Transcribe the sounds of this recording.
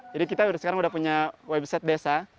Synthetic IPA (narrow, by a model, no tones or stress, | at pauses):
d͡ʒaɾikit̪asəkaɾaŋudahpuɲawɛbsɛt̪̚dɛsa